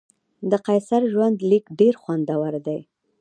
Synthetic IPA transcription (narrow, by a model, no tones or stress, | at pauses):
d̪əqajsaɾʒwand̪likɖeɾxwand̪awaɾd̪aj